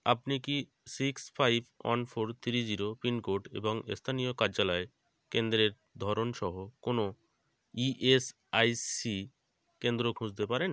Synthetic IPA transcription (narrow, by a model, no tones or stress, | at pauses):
a̰pniki | sikspʰajbʱɔ̰nfʰoɾt̪ʰiɾid͡ʑiɾopinkoʈḛboŋst̪ʰanijokaɾd͡ʑalae | kend̪ɾeɾ | d̪ʱɔɾonʃɔɦokono | iʔes | ajsi | kend̪ɾokʰũd͡ʑt̪epaɾen